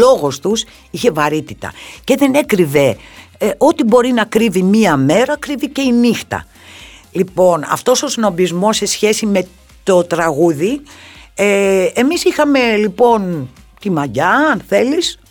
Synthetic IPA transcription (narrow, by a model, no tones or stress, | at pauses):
o̞ɣo̞st̪us | içe̞vɐɾit̪it̪ɐ̰ce̞ðe̞ne̞kɾive̞ʔo̞t̪ibo̞ɾinɐkɾivimiɐme̞ɾɐkɾivice̞inixt̪ɐ̰ | lipo̞nɐ̰ft̪o̞so̞sino̞bizmo̞se̞sçe̞sime̞ | t̪o̞t̪ɾɐɣuði | eemisixɐme̞lipo̞nt̪imɐɟɐnθe̞lis